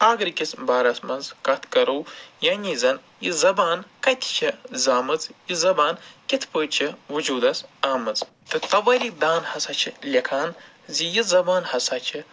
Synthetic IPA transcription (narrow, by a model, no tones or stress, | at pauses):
aːɡɾkʲisbaːɾɐsmɐnzkɐt̪ʰkɐɾɐwjaːnʲizɐn | jizɐbaːnkɐt̪ʰʲi̥t͡ʃʰizaːmɨt͡sjizɐbaːnkʲit̪ʰpəːt͡ʃʰiʋɨd͡ʒuːd̪ɐsaːmɨt͡s | t̪ɨt̪ɐʋɐɾʲid̪aːnhɐsɐt͡ʃʰilʲɐkʰaːn | zijizɐbaːnhɐsat͡ʃʰi